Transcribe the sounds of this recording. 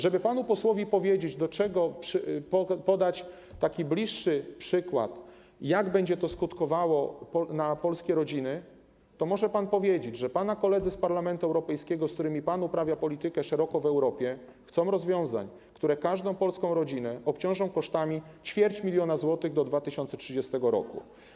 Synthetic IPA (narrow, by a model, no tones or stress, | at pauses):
ʐɛbɘpanupɔswɔvʲipɔvʲjed͡ʑed͡ʑd̪ɔt͡ʂɛɡɔpʂpɔpɔd̪at͡ɕ | t̪akʲiblʲiʂːɘpʂɘkwa̰t̪ | jaɡbɛɲd͡ʑɛt̪ɔskut̪kɔvawɔpɔnapɔlskʲɛɾɔd͡ʑinɘ | t̪ɔmɔʐɛpanpɔvʲjed͡ʑed͡ʑʐɛpanakɔlɛd̪zɘspaɾlamɛnt̪uɛwɾɔpɛjskʲɛɡɔskt̪uɾɘmʲipanupɾavʲjapɔlʲit̪ɘkɛʂɛɾɔkɔvɛwɾɔpʲjɛ | xt̪sɔ̃w̃ɾɔzvʲjɔ̃w̃za̰ɲ | kt̪uɾɛkaʐd̪ɔ̃w̃pɔlskɔ̃w̃ɾɔd͡ʑinɛɔpt͡ɕɔ̃w̃ʐɔ̃w̃kɔʂt̪amʲit͡ɕfʲjɛɾt͡ɕmʲilʲjɔnazwɔt̪ɘɣd̪ɔd̪vat̪ɘɕɔ̃nt̪sɛtʂɘd͡ʑɛst̪ɛɡɔɾɔ̰kṵ